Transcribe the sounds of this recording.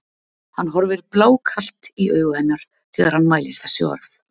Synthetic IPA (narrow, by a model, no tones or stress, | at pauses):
hanːɦɔɾvɪɾplaːwkʰal̥t̪iœːɥɣʏhɛnːaɾ̥ | θɛːɣaɾ̥hanːmaːjlɪɾ̥θɛ̥sːɪɔ̰ɾθ